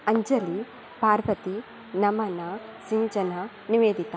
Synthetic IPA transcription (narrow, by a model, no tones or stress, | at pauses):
ɐɲd͡ʒɐli | paːɾʋɐt̪i | nɐmɐnɐsiɲd͡ʒɐnɐ | niʋeːd̪it̪a